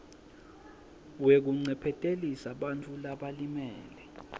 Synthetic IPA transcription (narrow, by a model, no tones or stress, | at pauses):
wek̬uŋ͡ǀɛpʰɛtʼelisaɓant͡fʰulaɓalimɛːlɛ